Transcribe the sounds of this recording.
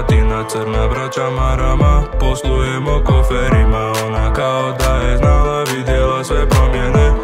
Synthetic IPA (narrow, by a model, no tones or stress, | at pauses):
t̪inat͡səɾnabɾat͡ʃamaɾamapɔslujɛmɔkɔfɛɾimaɔnakaɔd̪aɛznalaʋid̪jɛlasʋɛpɾɔmɪɛnɛ